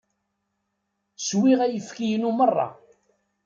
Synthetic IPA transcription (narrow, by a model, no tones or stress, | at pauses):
swiʁæjəfkijənumərˤːɑ̰